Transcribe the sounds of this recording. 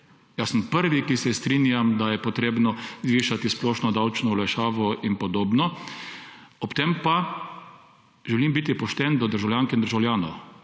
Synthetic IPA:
jasəmpəɾʋikisɛst̪ɾinjamd̪ajɛpɔt̪ɾeːbnɔzʋiːʃat̪isplɔːʃnɔd̪awt͡ʃnɔulaʃaːʋɔʔinpɔd̪oːbnɔ | ɔpt̪empa | ʒɛlimbiːt̪ipɔʃt̪ɛnd̪ɔd̪əɾʒawljaŋkɛnd̪əɾʒawljaːnɔw

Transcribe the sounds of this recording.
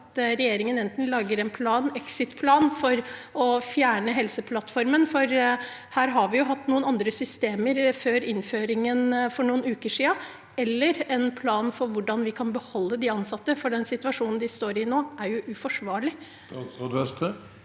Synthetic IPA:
t̪ɾɛjeːɾɪŋənɛnt̪n̩lɑːɡəɾɛnpʰlɑːnɛksɪt̪pʰlɑːnfɔɾɔfjæːɳəɦɛlsəpʰlɑt̪ːfɔɾmənfɔɾ | hæːɾɦɑɾʋɪjʊɦɑt̪ːnuːənɑnd̪ɾəsʏst̪eːməɾføːɾɪnføːɾɪŋənfɔɳuːənʉːkəʂiːə | ɛlːəɾɛnpʰlɑːnfɔɾʋʊɖɑnʋɪkʰɑnbəhɔlːəd̪ɪɑnsɑt̪ːəfɔɖɛnsɪt̪ʉɑʂuːnn̩d̪ɪst̪oːɾɪnoːʔæɾjʊʔʉfɔʂʋɑːɭɪ | od̪ʋɛst̪ʰə

